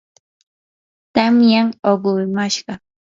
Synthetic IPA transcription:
t̪amjaŋoɢʊɾmaʃɢɑ

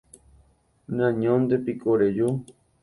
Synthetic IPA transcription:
nãɲõnd̪epikoɾeju

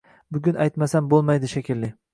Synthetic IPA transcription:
bʊɡʲʊnʔajt̪masambolˠmajd̪ɪʃakʲʰɪlːɪ

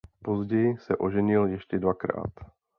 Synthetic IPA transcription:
po̞zɟɛjɪsɛʔo̞ʒɛɲɪljɛʃcɛdvakɾa̰ːt̪

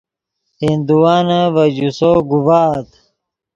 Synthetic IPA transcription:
hind̪uwaːnɐvɐd͡ʑusoːɡubaːt̪

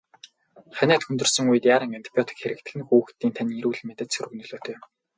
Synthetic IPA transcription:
χænʲæːt̪xɵnt̪ɵ̆rsɞ̆ŋujɘ̆t̪jaːɾə̆ŋant̪ʰi̥pʰʲjɔt̪ʰi̥kxeɾɘ̆kt̪ʰɘ̆ɮɘ̆ŋxŭːxt̪iːnt̪ʰaniːiɾuːɮ̆met̪ɘ̆t͡ɕ̪sɵɾɵ̆ɣ̆nɵɮoːt̪ʰejm

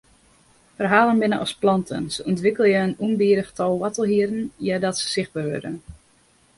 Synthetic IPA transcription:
fərɦaːlˠənbɪnəʔɔ̰splɔntʰə̰nsəuntʋɪkəlˠjəənunbiəɾəxtʰɔlˠwɔtəlˠɦiəɾn̩jadɔtsə̥sɪx̚baːrʋø̰dən

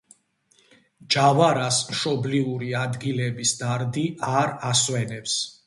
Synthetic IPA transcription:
d͡ʒavaɾasmʃɔbliuɾiad̪ɡilɛbisd̪aɾd̪iʔaɾaswɛnɛps

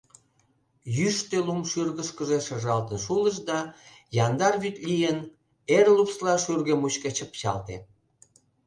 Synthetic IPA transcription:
jyʃt̪elumʃyrɣəʃkəʒeʃəʒɑlt̪ənʃuləʃd̪ɑ | jɑnd̪ɑrβyt̪lʲijən | erlupslɑʃyrɣemut͡ɕket͡ɕəpt͡ɕɑ̰lt̪ḛ

